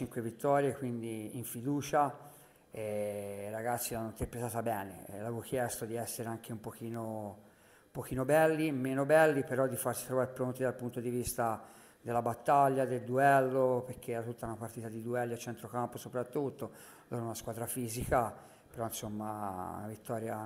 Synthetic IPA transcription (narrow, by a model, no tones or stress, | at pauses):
t͡ʃiŋkwevit̪ːɔɾjekwind̪iːɱfid̪uːt͡ʃa | ɛraɡat̪sːilanːoint̪eɾpɾet̪aːt̪abɛːnḛlːavevokjɛst̪od̪iɛsːeɾeaŋkeumpokiːno | umpok̟iːnobɛlːimeːnobɛlːipeɾɔd̪ːifaɾsi̥t̪ɾovaːɾepɾont̪id̪alpunt̪od̪ivist̪a | d̪elːabat̪ːaʎːad̪eld̪uɛlːopeɾk̟ːeɾat̪ːut̪ːaunapart̪iːt̪ad̪id̪uɛlːiat͡ʃːɛnt̪ɾokamposopɾat̪ːut̪ːo | loːɾounaskwaːd̪ɾafiːzika | peɾɔinsomːa̰navit̪ːɔːɾja